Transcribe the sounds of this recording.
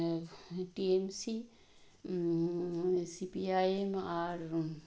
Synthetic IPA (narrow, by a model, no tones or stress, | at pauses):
ʈiemsi | sipiaːemaːɾ